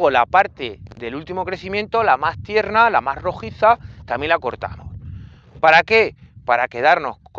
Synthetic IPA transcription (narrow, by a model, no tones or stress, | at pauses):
ɣo̞lapaɾt̪eðe̞lult̪imo̞kɾe̞θimjẽ̞nt̪o̞lamast̪je̞ɾnalamazro̞xiθat̪amje̞nlako̞ɾt̪a̰mo̞̰s | paɾake̞paɾake̞ð̞aɾno̞s